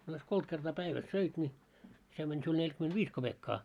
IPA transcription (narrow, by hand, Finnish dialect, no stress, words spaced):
ɑ jos kolt kertɑː pæiʋæs søit nʲi se mænʲ siul nelʲkymentʋiːs kob̥ekːɑː